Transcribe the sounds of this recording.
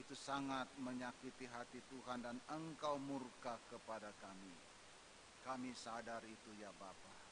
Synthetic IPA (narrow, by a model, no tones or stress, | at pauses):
it̪usaŋat̪̚məɲakit̪iɦat̪it̪uɦandanəŋkawmurkakəpadakami | kamisadarit̪ujabapa